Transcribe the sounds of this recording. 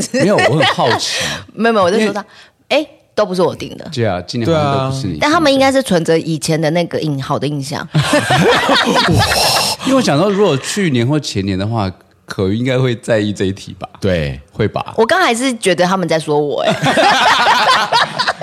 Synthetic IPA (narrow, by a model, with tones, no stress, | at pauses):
jo˨˩˨xɑ˥ʊt͡ɕʰi̥˨me˧˥o˨me˧˥˨wo˥˨ | e˥˩ɪ | t̪o˥ʊp̬u˧˥ʂ̬ɻ̩˥˩wɔ˨˩t̪ḭ˥˩ŋd̪ə̰˩t͡ɕe˥˩a̰˨˩t͡ɕi˥˧n˨˥o˥pu˩ʂɻ̩˥˨ḭ˨a˥˩nt̪ʰa˥mə˨i˥ŋka˥ɪʂ̬ɻ̩˥˩t͡sʰwə˧˦nd͡zɤ˧˥ʔi˨˩t͡ɕʰjɛ˨˧˥nd̪ə˨na˥˩ɡə˨ʔi˧˩ŋxɑ˨ʊd̪ə˩i˧˥˧ŋɕjɑ̰˥˩ŋ | i˥˩wɕjɑ˨ŋt̪ɑ˥˩ʊɻu˧˥kwɔ˨˩t͡ɕʰy˥˩njɛ˧˦nxwɔ˥˩t͡ɕʰjɛ˧˦njɛ˧˦nd̪ə˨xwa̰˥˩ | kʰɤ˨˩˨i˧˥ŋɡa˥ɪxwe˥˧ɪt͡sa˥˧ɪi˥˧t͡sa˥˧i˥˩t̪ʰḭ˨˩b̥a˩˦t̪we˥˩ɪxwe˥˩ɪpa̰˨˩˦wʔɔ˨˩kɑ˥˦ŋxa˧˥ɪʂ̬ɻ̩˥˨t͡ɕɥɛ˧˥d̪ə˧t̪ʰa˦˥mə˨nt͡sa˥˩ɪswɔ˥wɔ̰˨˩e˦